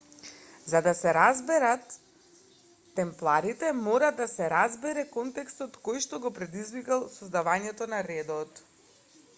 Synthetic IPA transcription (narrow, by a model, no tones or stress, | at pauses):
zad̪asɛɾazbɛɾat̪ | ɛmplˠaɾit̪ɛmɔɾad̪asɛɾazbɛɾɛkɔnt̪ɛkst̪ɔt̪kojʃt̪ɔɡɔpɾɛd̪izvikalˠsɔzd̪avaɲɛt̪ɔnaɾɛd̪ɔt̪